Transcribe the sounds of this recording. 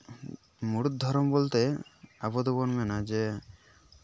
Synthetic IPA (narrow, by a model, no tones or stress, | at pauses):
muɽud̪ʱɔɾɔmbolt̪eabɔd̪ɔbɔnmɛnad͡ʒe